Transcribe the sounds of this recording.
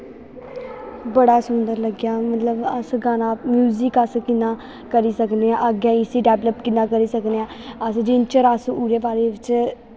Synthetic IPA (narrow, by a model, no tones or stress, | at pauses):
bəɽaːsʊnd̪əɾləɡjaːmət̪ləbəsɡaːnãːmjuːzikəskɪnːãː | kəɾiːsəkd̪eːãːʔəɡjãːiːsiːɖɛːʋləpkɪnːãːkəɾiːsəkd̪eːãːəsd͡ʒɪnt͡ʃəɾəsuːɾeːpaːɾeːʋɪt͡ʃ